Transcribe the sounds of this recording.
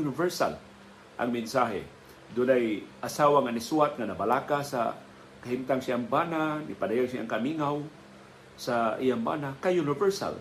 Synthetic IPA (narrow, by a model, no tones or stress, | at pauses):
unɪvɛɹsa̰l | ʔa̰ŋmɪnsaɦɛ̰ | d̪ʊnajʔasawaŋanɪsuat̪̚ŋanabalakasa̰ | kaɦimt̪aŋsɪaʔŋbananɪpadajaɡsia̰ʔaŋkamiŋaw | saʔijaŋba̰nakajunɪvɛɹsa̰l